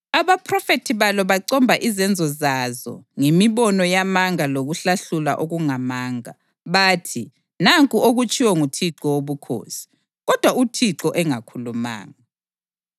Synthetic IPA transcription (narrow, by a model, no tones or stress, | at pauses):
aβapʰʼrɔfetʰiβalɔβaǀɔmbʱaʔizɛnd͡zʱɔzazɔ̰ŋemiβɔnɔjamaŋaloɣuɬaɬula̰ʔoɣuŋamaːŋa̰ | βaːtʰi | naŋkʼuoɣut͡ʃʰʼiwɔŋutʰiǁɔwoβukʰo̰ːsi̥ | ɣɔd̥ʱwautʰiǁɔʔɛŋakʰuluma̰ːŋa